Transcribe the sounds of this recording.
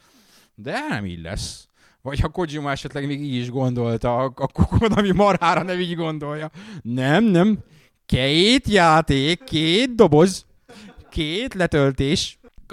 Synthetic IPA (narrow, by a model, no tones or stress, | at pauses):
d̪ɛnɛ̰mḭːɟlɛ̰sː | vɒchɒko̞d͡ʒimɒɛʃɛt̪lɛɡmeːɡiːɟiʒɡo̞nd̪o̞lt̪ɒɒkukoonɒmimɒɾaːɾɒnɛmiːɟɡo̞nd̪o̞jjɒnɛmnɛm | kɛjeːt̪jaːt̪eːkʰːeːt̪̚d̪o̞bo̞z | kʰeːt̪lɛt̪ølt̪eːʃ